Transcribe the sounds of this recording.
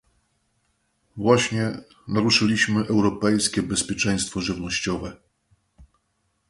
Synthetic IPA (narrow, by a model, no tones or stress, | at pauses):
vwaɕɲɛ | naɾuʂɘlʲiɕmɘʔɛwɾɔpɛjskʲɛbɛspʲjɛt͡ʂɛ̃j̃st̪fɔʐɘvnɔɕt͡ɕɔvɛ